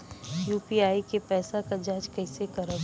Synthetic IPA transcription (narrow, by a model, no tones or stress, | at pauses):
juːpiaːikepɛːsakad͡ʒaːd͡ʒkɐɪsekɐɾə